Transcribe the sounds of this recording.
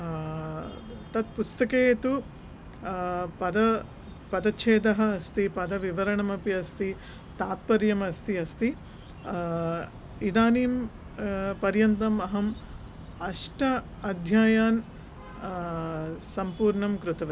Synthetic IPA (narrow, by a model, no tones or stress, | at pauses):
t̪ɐt̪̚pust̪ɐkeːt̪u | pɐd̪ɐ | pɐd̪ɐʃʰeːd̪ɐɦɐːst̪ipɐd̪ɐʋiʋɐɾɐɳɐmɐpiɐst̪i | t̪aːt̪̚pɐɾjɐmɐst̪iɐst̪i | id̪aːniːm | pɐɾjɐnt̪ɐmɐɦɐm | ɐʂʈɐ | ɐd̪ʱjaːjaːn | sɐmpuːɾɳɐmkɾut̪ɐʋɐ